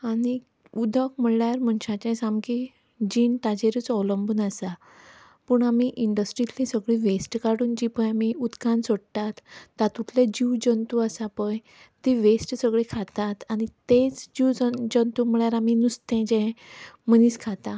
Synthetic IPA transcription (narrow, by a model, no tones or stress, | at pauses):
ani | ud̪ʱəkm̤əɭjaɾm̤ənɕat͡ɕãsamki | d͡ʑiːnʈ̪ad͡ʑeɾut͡sɔʋləmbunasa | pəɳamiʔiɳɖəsʈɾit̪lisəɡɭiʋesʈkaɽuːnd͡ʑipə̃jamiud̪kãnsoɽt̪at̪ːat̪uʈ̪ʰled͡ʑiwd͡ʑənt̪uəsapə̃j | t̪iʋesʈsəɡɭekʰat̪at̪anit̪et͡sd͡ʑiwd͡ʑənt̪um̤əɭjaɾaminust̪ɛ̃d͡ʑɛ̃m̤əniːskʰat̪a